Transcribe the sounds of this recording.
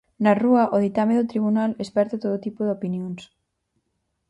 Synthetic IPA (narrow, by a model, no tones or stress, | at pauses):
naruɐʔoðit̪ameðot̪ɾiβunalespɛɾt̪at̪oðot̪ipoðeopinjoŋs